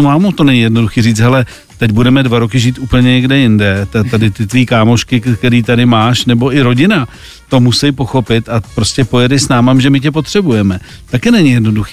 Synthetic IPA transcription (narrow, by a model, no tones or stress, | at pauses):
maːmut̪o̞nɛɲɪjɛdno̞duxiːriːt͡sɦɛlɛ | t̪ɛcbudɛmɛdvaɾokɪʒiːt̪ʔuːpl̩ɲɛɲɛɡdɛjɪndɛt̪at̪adɪt̪ɪt̪viːkaːmo̞ʃkɪkt̪ɛɾiːt̪adɪmaːʃnɛbo̞ʔɪɾo̞ɟɪna | t̪o̞musɛjpo̞xo̞pɪt̪apɾo̞scɛpo̞jɛdɪsnaːmamʒɛmɪcɛpo̞t̪r̥ɛbujɛmɛt̪akɛnɛɲɪjɛdno̞duxiː